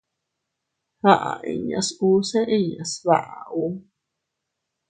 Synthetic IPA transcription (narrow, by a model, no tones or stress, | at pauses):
haʔaʔḭɲa̰suseʔiɲasβaʔaʔu